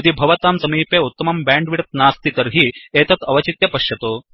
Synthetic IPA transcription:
ɐd̪ibʱɐʋɐt̪aːmsɐmiːpeːut̪ːɐmɐmbaːɳɖʋiɾɐt̪̚naːst̪it̪ɐɾɦieːt̪ɐt̪ɐʋɐt͡ʃit̪jɐpɐʃjɐt̪oː

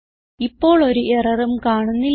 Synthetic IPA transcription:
ipːo̞ːɭo̞ɾuʔerɐrumkaːɳunːil

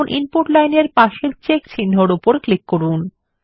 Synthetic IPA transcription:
nʔinpuʈlajneɾpaʃeɾt͡ɕekt͡ɕʰinːoɾupoɾklikːoɾun

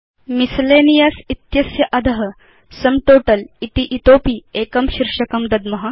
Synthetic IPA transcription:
misleːnijasit̪jɐsjɐʔɐd̪ʱɐɦɐ | sɐmʈoːʈɐlit̪iʔit̪oːpiːeːkɐmɕiɾʂɐkɐmd̪ɐd̪mɐɦa

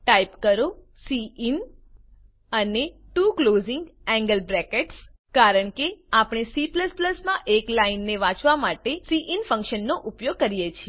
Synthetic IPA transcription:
ʈajpkəɾo | siin | əneʈuklozɪŋɡɛ̃ŋɡəlbɾɛkeʈs | kaɾəɳkeapɳ̃esipləspləsmãʔeklainːeʋãt͡ʃʋamaʈesiʔinfə̃ŋkʃənːoʔʊpjoɡ̚kəɾijet͡ʃʰie

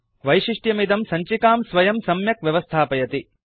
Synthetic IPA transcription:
ʋɐjʃiʂʈjɐmid̪ɐmsɐɲt͡ʃikaːmsʋɐjɐmsɐmjɐkʋjɐʋɐst̪ʰaːpɐjɐt̪i

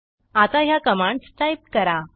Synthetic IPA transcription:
at̪aɦjakəmãɳɖsʈajp̚ʈkəɾa

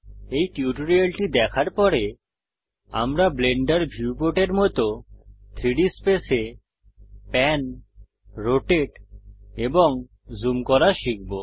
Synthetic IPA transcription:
ejʈiuʈoɾialʈid̪ɛkʰaɾpɔɾe | a̰mɾableɳɖaɾbʱiupoʈeɾmɔt̪ot̪ʰɾiɽispese | pɛn | ɾoʈeʈeboŋ | zumkɔɾaʃik̚bo

